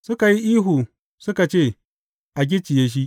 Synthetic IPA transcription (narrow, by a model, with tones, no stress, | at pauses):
su˦ka˨ji˦ʔiː˦ɦu˨ | su˦ka˨t͡ʃe˦˨ | a˨ɡʲi˦t͡ʃi˨je˦ʃ̬i˦